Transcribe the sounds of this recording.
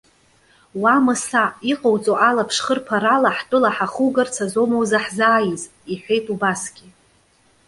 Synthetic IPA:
wamɨsaiqʼowt͡sʼoʔalapʰʂχərpʰaɾalaħtʼɨlaħaχuɡart͡sʰazomowzaħzaːjiz | iħʷᶣe̞jtʼubasɡ̥ʲi

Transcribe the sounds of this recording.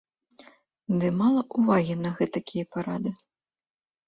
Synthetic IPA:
d̪ɨmalˠɐʔuvaɣʲinɐɣɛt̪ɐkʲijɐpaɾad̪ɨ

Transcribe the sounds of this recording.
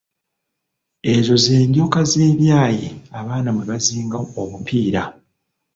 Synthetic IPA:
e̞zo̞zeːɲɡo̞ːkaze̞ːβjaːjḛaβaːnamweβaziːŋɡaomupʰiːɾa

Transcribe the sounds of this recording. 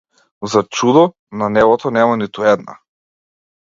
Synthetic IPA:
zat͡ʃud̪ɔ | nanɛvɔt̪ɔnɛmanit̪uɛd̪na̰

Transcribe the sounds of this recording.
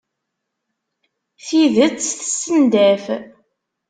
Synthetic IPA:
θiðət͡sːθəsːənd̪æf

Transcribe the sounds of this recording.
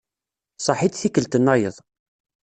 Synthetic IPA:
sˤɑħid̪θikəlt̪ənːɑjə̰ðˤ

